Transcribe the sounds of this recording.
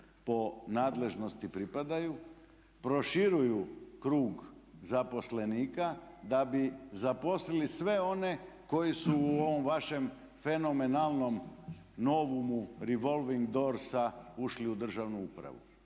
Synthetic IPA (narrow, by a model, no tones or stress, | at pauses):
po̞naːd̪le̞ʒno̞st̪ipɾipad̪aju | pɾo̞ʃiɾujukɾuːɡzapo̞sle̞niːkad̪abizapo̞slilisʋe̞o̞ne̞ko̞jisuːoʋo̞mʋaʃe̞m | fe̞no̞me̞nalˠno̞m | no̞ʋumuɾiʋo̞lˠʋiŋɡd̪o̞ɾsauʃliud̪r̩ʒaʋnuupɾa̰ʋṵ